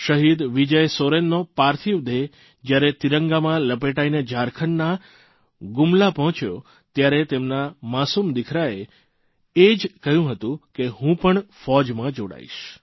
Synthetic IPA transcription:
ʃəɦid̪ʋid͡ʒəjsoɾenːopaɾt̪ʰiʋd̪e | d͡ʒjaɾet̪iɾəŋɡamãləpeʈained͡ʒʱaɾkʰəɳːa | ɡumlapɔɦɔ̃t͡ʃjo̰ | t̪jaɾet̪emnamasumd̪ikʰɾae | ed͡ʒkəɦjũɦət̪ũkeɦũpəɳfɔd͡ʒmãd͡ʒoɽa̰ḭʃ

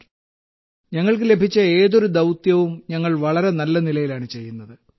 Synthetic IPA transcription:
ɲɐŋːɐɭkɨle̞bʱit͡ɕːɐe̞ːðo̞ɾud̪ɐwt̪jɐʋumɲɐŋːɐɭʋɐɭɐɾe̞nɐlːɐnilɐjilaːɳɨt͡ɕe̞jːunːɐðɨ

